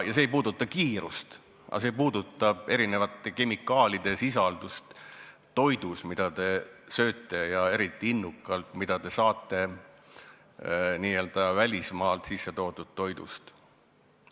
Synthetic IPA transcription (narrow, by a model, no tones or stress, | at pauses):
jɑseːjpuːd̪̥ut̪ˑːɑkiːɾust̪ | ʔɑ̰se̞ːpuːd̪̥ut̪ˑːɑb̥e̞ɾine̞vɑt̪ːˑe̞ke̞mikːˑɑːlʲid̪̥e̞sisɑld̪̥ust̪ | t̪o̞jd̪̥usmid̪̥ɑt̪e̞sø̞ːt̪ːe̞jɑe̞ɾit̪ːˑiinːukːˑɑlt̪mid̪̥ɑd̪e̞sɑːt̪ːˑe̞ | niːe̞ːld̪̥ɑvælʲismɑːlt̪sisːet̪o̞ːd̪̥ud̪̥̚t̪ːo̞jd̪̥ṵst̪